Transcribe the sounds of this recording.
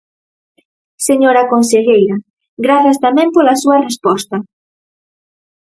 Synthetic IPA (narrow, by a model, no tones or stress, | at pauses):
seɲoɾɐkonseʎejɾɐ | ɡɾaθast̪amɛ̃mpolasuɐrespɔst̪ɐ